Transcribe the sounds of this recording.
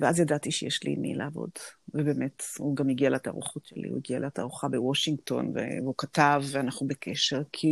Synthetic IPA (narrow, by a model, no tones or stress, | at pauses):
veʔazjadatiʃejeʃlḭnḭlḛavo̞̰dvebeːmethuɡamiɡialat̪a̰ʁṵχotʃḛlḭhṵjiɡialeataʁuχabewoʃiŋɡto̞̰nvḛveukataveanaχnubekʰeʃe̞ʁkʰi